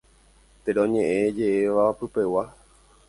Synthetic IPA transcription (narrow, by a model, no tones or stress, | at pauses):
t̪eɾõɲẽʔed͡ʒe̞ʔeʋapɨpe̞wa